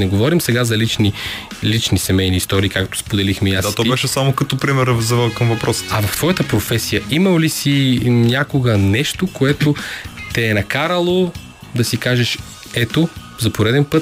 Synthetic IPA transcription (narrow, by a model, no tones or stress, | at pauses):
nɛɡovɔɾimsɛɡazɐlit͡ʃni | lit͡ʃnisɛmɛjniːst̪ɔɾiːkakt̪o̥spod̪ɛlixmɛiasat̪ɔbɛʃɛsamokɐt̪ɔpɾimɛɾvzɐvɛlˠkɐmvɐpɾɔsə̥t̪ɐvɐft̪v̥ɔjət̪əpɾofɛsijəimɐlisinʲakoɡənɛʃt̪okoɛt̪ot̪ɛːnɐkaɾəlˠo | d̪ɐsikaʒɛʃ | ɛt̪o | zɐpoɾɛd̪ɛnpɤt̪